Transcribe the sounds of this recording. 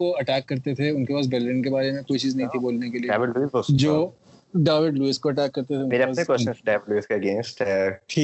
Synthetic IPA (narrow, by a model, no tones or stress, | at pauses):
oɐʈɛːkːɐɾt̪et̪ʰeʊnkepaːs̬bɐllə̃nkebaːɾemẽkoːit͡ʃiːznɐɦĩt̪ʰiboːlnekelieaːʋɪɖluisbosd͡ʒoː | ɖaːʋɪɖluiːskoɐʈɛːkːɐɾt̪et̪ʰeʊ̃nmeːɾeɐaːnekwɛst͡ʃə̃nsɖaːʋɪɖluiskaɐɡẽːnsʈɛʈʰiː